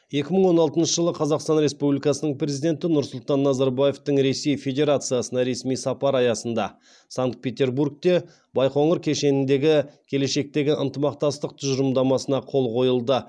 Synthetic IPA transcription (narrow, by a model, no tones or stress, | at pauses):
je̞kʲɪməɴwo̞nɑlˠt̪ənʃəʒəlˠəqʰɑzɑqst̪ɑnɾe̞spublijkɑsənəɴpɾʲezijd̪e̞nt̪ɪnʊɾsʊlˠt̪ɑnːɑzɑɾbaje̞ft̪əɴɾe̞se̞jfʲe̞d̪ʲe̞ɾat̪sɨjasənɑɾe̞smijsɑpɑɾɑjɑsənd̪ɑ | saŋkt̪̚pʲe̞t̪e̞ɾbuɾk̚t̪e̞ | bɑjqoɴəɾkʲʰe̞ʃe̞nɪnd̪e̞ɡʲɪkʲʰe̞le̞ʃe̞k̚t̪e̞ɡʲɪʔənt̪əmɑq̚t̪ɑst̪əq̚t̪ʰʏʒəɾəmd̪ɑmɑsənɑqʰo̞lˠqʰo̞jəlˠd̪ə